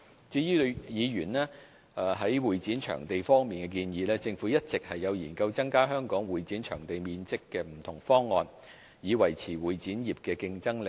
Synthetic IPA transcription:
t͡siː˧i˥˧jiː˨˧ɥyː˨˩nɛː˥ | ɛ˧ɦɐ˨˥jwuː˨jt͡siː˨˥nt͡ʃʰœ̰ː˨˩ŋt̪e˨jfɔː˥ŋmiː˨nkɛ˧kiː˧njiː˨˧lɛː˥t͡sɪ˧ŋfuː˨˥jɐ˥t̚t͡sɪ˨k̚hɐ˨jːɐ˨˧wjiː˨˩nkɐ˧wt͡sɐ˥ŋkaː˥ɦœː˥ŋkɔː˨˥ŋwuː˨˩jt͡siː˨˥nt͡ʃʰœ̰ː˨˩ŋt̪e˨jmiː˨˧nt͡sɪ˥kːɛː˧m̩˨˩t̪ʰʊ˨˩ŋfɔː˥ŋːɔː˨˧n | jiː˨˧wɐ˨˩jt͡sʰiː˨˩wuː˨˩jt͡siː˨˥njiː˨p̚kɛː˧kɪ˧ŋt͡sɐ˥ŋlɪ˨

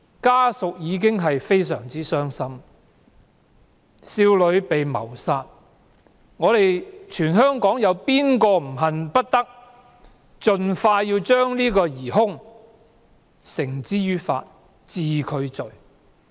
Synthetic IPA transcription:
kaː˥sʊ˨k̚jiː˨˧k̬ɪ˥ŋɦɐ˨jfe˥js̬œ̰ː˨˩ŋt͡siː˥sœː˥ŋsɐ˥m | siː˧wlɵ˨˧ɥpe˨jmɐ̰˨˩wsaː˧t̚ | ŋɔː˨˧ɾe˨jt͡ʃʰyː˨˩nɦœː˥ŋkɔː˨˥ŋjɐ˨˧wpiː˥nkɔː˧m̩˨˩ɦɐ˨npɐ˥t̚t̪ɐ˥k̚ | t͡ʃɵ˨nfaː˧jiː˧wt͡ʃœː˥ŋliː˥kɔː˧jiː˨˩ɦʊ˥ŋ | sɪ˨˩ŋt͡siː˥jyː˥tfa̰ː˧t̚ | t͡siː˨kʰɵ˨˧ɥt͡ʃɵ˨˩ɥ

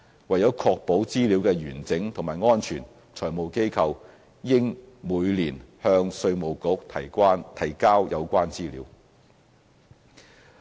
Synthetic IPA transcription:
wɐ˨˩jːɐ˨˥wkʰɔː˧k̚po˨˥wt͡siː˥li˨˧˥wkɛː˧jyː˨˩nt͡sɪ˨˥ŋt̪ʰʊ˨˩ŋmaː˨˩jŋɔː˥nt͡ʃʰyː˨˩n | t͡sʰɔː˨˩jmo˨wke˥jkʰɐ˧w | jɪ˥ŋ | muː˨˧jliː˨˩nhœː˧ŋsɵ˧ɥmo˨˩wkʊ˨˥k̚t̪ʰːnt̪ʰɐ˨˩jkaː˥wjɐ˨˧wkʷaː˥nt͡siː˥lḭː˨˥w

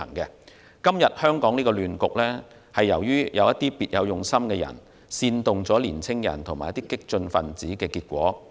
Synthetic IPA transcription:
ɐ̰˨˩ŋkɛ˧ | kɐ˥mjɐ˨t̚hœː˥ŋkɔː˨˥ŋniː˥kɔ˧lyː˨nkʊ˨k̚lɛː˥ | hɐ˨jːɐ˨˩wjyː˥jɐ˨˧wjɐ˥t̪iː˥piː˨t̚jɐ˨˧wjʊ˨ŋsɐ˥mkɛ˧jɐ̰˨˩n | siː˧nt̪ʊ˨ŋt͡sɔː˨˥liː˨˩nt͡sʰɪ˥ŋjɐ̰˨˩nt̪ʰʊ˨˩ŋmaː˨˩jɐ˥t̪iː˥kɪ˥k̚t͡ʃɵ˧nfɐ˨nt͡siː˨˥kɛː˧kiː˧t̚kʷɔ̰ː˨˥

